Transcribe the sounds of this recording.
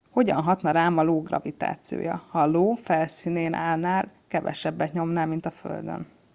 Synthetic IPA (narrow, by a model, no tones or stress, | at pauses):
ho̞ɟɒ̰nɦɒt̪nɒɾaːmɒloːɡrɒ̰vit̪a̰ːt̪sijo̰ːjɒ̰hɒloːfɛlsiːneːnʔa̰ːlnaːlkɛvɛ̰ʃɛbːɛt̪ɲo̞mnaːlmint̪ɒfø̰ld̪ø̰n